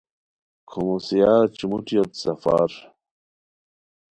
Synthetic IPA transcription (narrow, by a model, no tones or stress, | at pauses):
kʰomosijat͡ɕumuʈ͡ʂijot̪sɐfa̰ɾ